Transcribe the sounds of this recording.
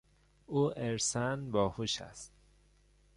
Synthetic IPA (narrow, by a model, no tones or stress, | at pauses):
ʔuːʔeɾsænbɒːhuʃæ̰st̪